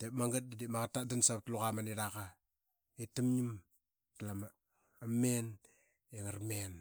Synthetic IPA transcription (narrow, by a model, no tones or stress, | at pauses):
temaŋɡat̚didimakatːadansap̚tlukamaniɾaka | itəmɲim | tlama | amen | eŋəɾmen